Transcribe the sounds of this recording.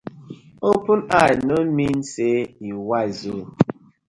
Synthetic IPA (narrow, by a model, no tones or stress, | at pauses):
opunanomin̩seiwazo